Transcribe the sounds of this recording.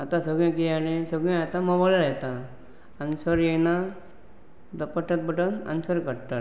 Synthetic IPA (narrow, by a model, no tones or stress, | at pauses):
at̪ãsəɡɭẽkialesəɡɭẽat̪aməbɔlaɾet̪aː | nisəɾjena | d̪əpəʈːat̪̚bəʈəna̰nisəɾkəɽʈat̪